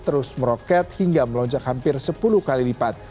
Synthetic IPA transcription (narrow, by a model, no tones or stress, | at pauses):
t̪əɾʊsməɾɔkɛt̪̚hiŋɡaməlɔɲd͡ʒakhampɪrsəpuluhkalilipat̪̚